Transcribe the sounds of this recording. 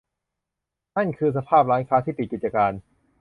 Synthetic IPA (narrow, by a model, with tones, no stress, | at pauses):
na˥˩nkʰɯː˧s̬a˧pʰaː˥˩p̚ɾaː˦˥jkʰaː˦˥t̪ʰiː˥˩i˨˩ki˨˩t̪̚t͡ɕa˧kaː˧n